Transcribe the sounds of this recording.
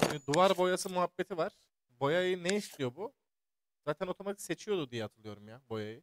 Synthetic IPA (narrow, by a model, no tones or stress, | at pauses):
imid̪uvaɾbo̞jasɯmuɦabːet̪ʰivaɾ̥ | bo̞jajɯneiʃlʲijo̞bu | z̥aːt̪ʰæno̞t̪ʰo̞mat̪ʰikse̞t͡ʃʰijo̞d̪ud̪ijɛat̪ʰɯlˠɯjo̞ɾumjabo̞jajɯ